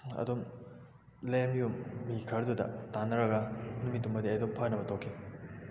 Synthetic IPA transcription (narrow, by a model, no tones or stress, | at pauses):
ɐ̰dom | lemijumːikʰɐɾdudɐ̰tanɐɾɐɡɐnumitːumːɐdiɐjdompʰɔjnɐbɐtʰokʰːi